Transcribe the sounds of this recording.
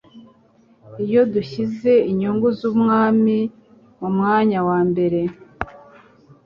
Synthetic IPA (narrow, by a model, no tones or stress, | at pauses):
ijo̞duçize̞iɲuŋɡuzumŋaːmi | mumŋaːɲawaːmbe̞ɾe̞